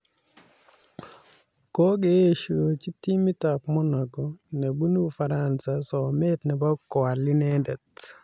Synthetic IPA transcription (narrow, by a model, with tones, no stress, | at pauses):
kɔ˦ɡe˦˨ʃo˨t͡ʃi˦ti˦mi˦ta˨pmɔ˦nɔ˨kɔ˨nɛ˨bu˦nu˦fa˨ɾansa˨sɔ˨mɛ˦tnɛ˨ba˦kɔ˨a˨li˦nɛ˦ndɛ˨t